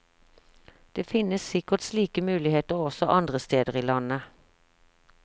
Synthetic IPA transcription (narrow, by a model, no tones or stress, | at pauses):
d̪̥eːfɪnəsɪkəʁt̪sliːkəmʉːlɪheːt̪əʁɔsɔʔɑnd̪ʁəst̪eːd̪əʁiːlɑnə